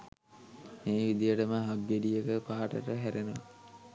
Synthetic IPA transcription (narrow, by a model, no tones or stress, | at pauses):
meːʋid̪ijəʈəməɦaɡːeɖijəkəpaɦaʈə̰ʈəɦæɾenəʋa̰